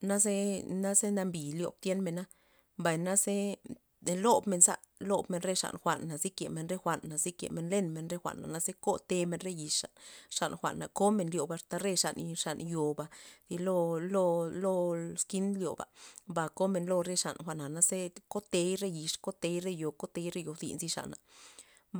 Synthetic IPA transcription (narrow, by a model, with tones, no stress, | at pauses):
na˦ze˦na˦ze˦na˧mbi˨ljo̰˧˨b̚t̪je˦nme˧˨na˦ | mba˨jna˦ze˦˧ | lo˦bme˧nza̰˦ | lo˧bme˧˨nɾe˦ʂa̰˨nxʷa̰˨nːa˨zi˦kḛ˨me˧˨nɾe˦xʷa˨nːa˨zi˦kjḛ˨me˨nle˦nme˧nɾe˦xʷa̰˨ʔnːa̰˨na˦ze˦ko˦t̪e˧me˧nɾe˦ji˧ʂa̰˨nʂa˨nxʷa̰˨nːa˨ko˦me˧nljo˨ba˧ʂt̪a˧ɾe˦ʂa̰˨nʂa˨njo˨ba˨˧di˧lo˦lo˦lo˦ski˦nljo̰˨ba̰˨mba˨ko˦me˧nlo˧ɾe˧ʂa̰˨nxʷa˧ʔna˨na˧˦ze˦ko˦t̪e˧˦jɾe˦ji˨ʂko˦t̪e˨˧jɾe˦jo˨ko˦t̪e˧˦jɾe˦jo˨dḭ˧nzi˦ʂa̰˨ʔna̰˨